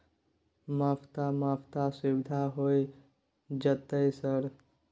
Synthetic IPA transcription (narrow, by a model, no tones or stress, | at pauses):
mapʰt̪amapʰt̪asiwɪd̪ʱaɦoj | d͡ʒət̪əjsəɾ